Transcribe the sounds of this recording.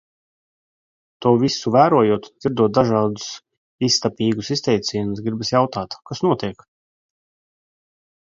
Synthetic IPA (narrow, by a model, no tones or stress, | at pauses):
t̪uɔvisuvæːɾuɔjuɔt̪z̥iɾd̪uɔt̪̚d̪aʒɑːd̪u̥s | ist̪apʲiːɡusist̪ʲɛjt̪sʲiːjumsɡɾibasjawt̪aːt̪kasnuɔt̪iɛk